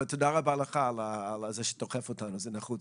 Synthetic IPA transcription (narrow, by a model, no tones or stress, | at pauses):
t̪ʰodaʁabaalaχaːlaːlazɛʃɛ̥t̪oχɛfotanuzɛnaχu